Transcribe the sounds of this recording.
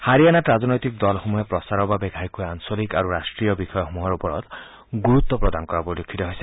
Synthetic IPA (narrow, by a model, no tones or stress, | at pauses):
haɹianatɹazɔnɔjt̪ik̚d̪ɔlxomuɦɛpɹɔsaɹɔɹbabɛɡʱaɹikujansolikaɹuɹastɹijɔbixɔjɔxomuɦaɹupɔɹɔ̰t̪ | ɡuɹut̪ːɔpɹɔd̪ankɔɹabɔdukʰːit̪ɔɦojsɛ